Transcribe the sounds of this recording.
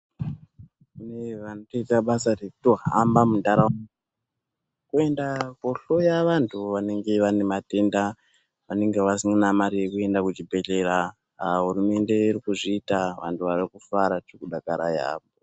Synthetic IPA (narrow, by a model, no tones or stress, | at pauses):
kuneʋanoto̞itaɓasarekutoɦa̰mbamundaɾa | kue̞ndakoɬo̞jaʋantʰuʋane̞ŋɡe̞ʋane̞mate̞nda | ʋane̞ŋɡe̞ʋasiŋɡinamaɾije̞kue̞ndakut͡ʃibʱe̞ɮe̞ɾa | ɦuɾume̞nde̞iɾikuʐiːtaʋa̰ntʰuʋarikufaɾat͡ʃekuɗakaɾa̰ja̰po